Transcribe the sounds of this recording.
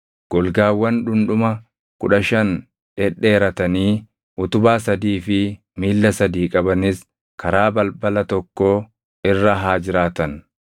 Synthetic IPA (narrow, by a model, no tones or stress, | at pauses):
ɡ̥ɔlɡaːwːɐnᶑʊnᶑʊmɐ | kʊᶑɐʃɐn | ᶑɛᶑːeːɾɐt̪ɐniː | ʔʊt̪ʊbaːsɐd̪iːfɪ | miːlːɐsɐd̪iːkʼɐbɐnɪs | kʰɐɾaːbɐlbɐlɐt̪ɔkːoː | ɪrːɐɦaːd͡ʒɪɾaːt̪ɐn